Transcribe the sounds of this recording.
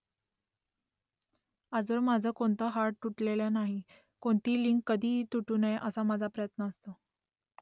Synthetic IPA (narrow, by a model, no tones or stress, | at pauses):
ad͡zʋəɾmad͡zʱəkoɳt̪əːɦaɾʈuʈleljanaɦi | koɳt̪iːliŋkːəd̪ʱiːt̪uʈuːnajʔəsamad͡zʱapɾəjət̪nəːst̪o